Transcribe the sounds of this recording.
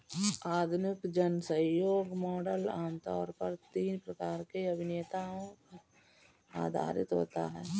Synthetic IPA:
aːd̪ʱnɪkd͡ʒənsə̃joːɡmɔːɖəlaːmt̪ɔ̰ːɾpəɾt̪iːnpɾəkaːɾkeɐbʱɪnːt̪aːõka | a̰ːd̪ʱa̰ːɾɪt̪ɦo̰ːt̪a̰ɦɛː

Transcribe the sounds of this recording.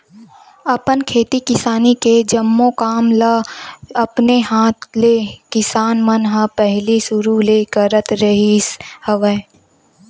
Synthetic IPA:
ɐpənkʰeːt̪ikɪsaːniked͡ʒɐmːõkaːmlaɐpneɦãːt̪ʰleːkɪsaːnmənɦə̃pɛɦlisʊɾuleːkəɾət̪ɾəɦishəʋə

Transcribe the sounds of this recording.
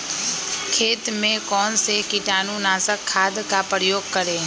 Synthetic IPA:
kʰeːt̪mẽkɔːnsekɪʈaːnũnaːsəkʰːaːd̪kapɾəjoːɡ̚kəɾẽː

